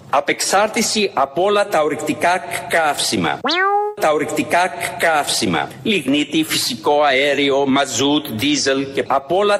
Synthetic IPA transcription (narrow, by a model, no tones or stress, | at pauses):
ɐpe̞ksɐɾt̪isiʔɐpo̞lɐt̪ɐoɾikt̪ikɐkkɐfsimɐ̰t̪ɐoɾikt̪ikɐkkɐfsimɐ̰liɣnit̪ifisiko̞ɐeɾio̞mɐzut̪d̪izelce̞ɐpo̞lɐ